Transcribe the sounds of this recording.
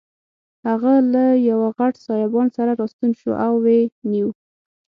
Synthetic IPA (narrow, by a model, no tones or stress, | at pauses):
haɣalajawaɣaʈsɑjabɑnsaɾaɾɑst̪unʃṵʔawːeniw